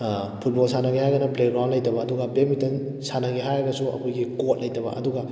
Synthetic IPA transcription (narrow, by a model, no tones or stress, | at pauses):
pʰut̚bolsanɐɡihajɡɐnɐpleɡɾawnlɐjtɐbɐːduɡabemitɐn | sanɐɡiɦajaɡɐsuɐ̰kʰojɡikot̚lɐjtɐbɐ̰ʔɐduɡa